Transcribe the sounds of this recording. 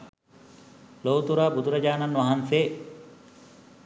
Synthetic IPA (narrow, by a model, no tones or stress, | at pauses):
loːwt̪uɾaːbud̪uɾɐd͡ʒaːnanʋɐɦanseː